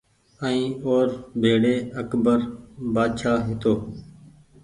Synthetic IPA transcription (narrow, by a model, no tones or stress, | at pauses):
əĩːoːɾbʱeːɽeːəkbəɾbaːd̪ʃaːɦɪt̪oː